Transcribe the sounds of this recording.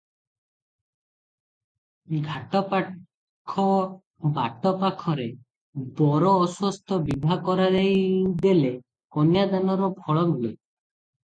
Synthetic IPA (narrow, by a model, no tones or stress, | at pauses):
ɡʱaʈɔp | kʰɔ | baʈɔpakʰɔɾe | bɔɾɔːswɔst̪ʰɔbibʱakɔɾad̪ejd̪ele | kɔnjad̪anɔɾɔbʰʱɔɭɔmule